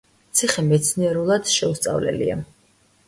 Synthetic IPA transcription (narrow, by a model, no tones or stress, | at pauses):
t̪sʰiχɛmɛt̪sʰniɛɾulˠad̪̥ʃɛust̪sʼa̰vlɛ̰lḭa̰